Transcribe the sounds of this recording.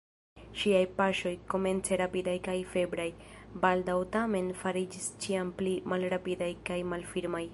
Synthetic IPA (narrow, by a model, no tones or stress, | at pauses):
ʃiajpaʃo̞jko̞me̞nt͡seɾapidajkajfe̞bɾaj | baldawtame̞nfaɾid͡ʒist͡ʃiamplimalɾapidajkajmalfiɾmaj